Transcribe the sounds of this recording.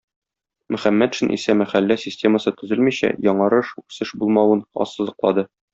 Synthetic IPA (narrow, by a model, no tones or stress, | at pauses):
mɵ̆χæmːæt̪ʃɘnʔḭsæmæχælːæsʲɪsʲtʲe̞məsɤt̪ɵ̆zɘlmiɕæ̰jɒɴɑɾɤʃʉksɘʃbulˠmɑwɤnɒ̰sːɤ̆zɤ̆qlˠɑd̪ɤ